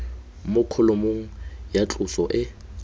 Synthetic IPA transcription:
mʊkʰʊlʊmoŋ̩jat͡ɬʼʊsɔʔɪ

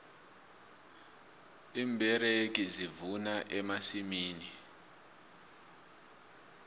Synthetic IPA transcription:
iːmbʱɛrek̬izivunaʔɛmasimiːni

